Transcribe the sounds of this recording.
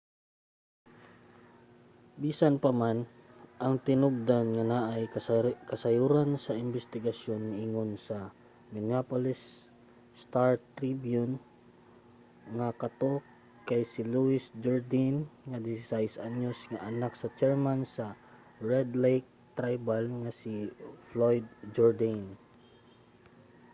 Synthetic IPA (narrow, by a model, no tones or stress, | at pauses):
biːsanpɐmanʔɐŋt̪ɪnʊɡ̚d̪anŋɐnaʔajkɐsɐjuːɾansɐɪmbɛst̪ɪɡɐsjonːaʔiŋonsɐ | mɪnɪapolɪsː | t̪aɹt̪ɾibjʊn | ŋakɐt̪o | kajsɪluɪsd͡ʒɔɹd̪ɪnŋad̪ɪsɪsajsʔanjosŋaʔɐnaksɐt͡ʃɛɹmansɐ | ɹɛd̪lɛjk̚t̪ɾajbalŋasiflojd̪̚d͡ʒɔɹd̪an